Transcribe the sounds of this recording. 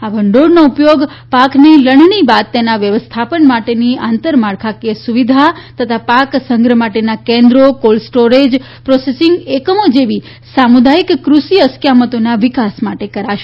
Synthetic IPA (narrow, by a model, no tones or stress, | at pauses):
abʱəɳɖoɽnoupjoɡ | pakniləɳnibad̪̚t̪enaʋjəʋəst̪ʰapənmaʈeniant̪əɾmaɽkʰakesuʋid̪ʱat̪ət̪ʰapaksəŋɡɾəmaʈenakẽnd̪ɾokolsʈoɾed͡ʒ | pɾɔsesɪŋɡekəmod͡ʒeʋi | samud̪aikːɾusiəskjamət̪onaʋɪkasmaʈekəɾaʃe